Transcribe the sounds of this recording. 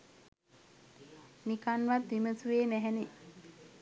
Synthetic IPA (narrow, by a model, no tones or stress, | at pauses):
nikanʋat̪ːiməsuʋeːmæɦɛni